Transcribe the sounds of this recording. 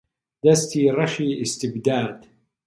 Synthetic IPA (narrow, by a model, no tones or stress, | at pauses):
d̪ast̪iːɾˤɑʃiːʔɪst̪ɪbd̪aːd̪